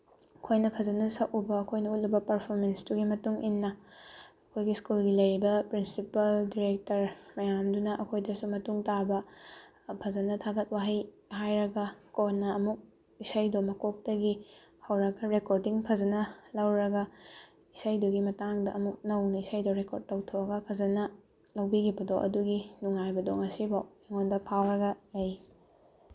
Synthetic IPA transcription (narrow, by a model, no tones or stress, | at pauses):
ɐkʰojnɐpʰɐzɐnɐsɐkubɐːkʰojnɐut̚lubɐpɐɾpʰoɾmensduɡimɐtuŋinːɐː | kʰojɡiskulɡilɐjɾibɐpɾinsipɐldiɾek̚tɐɾmɐjamdunɐʔɐkʰojdɐsumɐtuŋtabɐ | pʰɐzɐnɐtʰaɡɐt̚waɦɐj | ɦajɾɐɡɐkotnːɐɐmuk̚ | isɐjdomɐkok̚tɐɡi | hɐwɾɐɡɐɾekoɾdiŋpʰɐzɐnɐlɐwɾɐɡɐ | isɐjduɡimɐtaŋdɐʔɐmuk̚nɐwnɐisɐjdoɾekoɾd̚tɐwtʰoɐɡɐpʰɐzɐnɐ | lɐwbiɡibɐdoʔɐ̰duɡinuŋajbɐdoŋɐsibaeŋondɐpʰawɾɐɡɐlɐj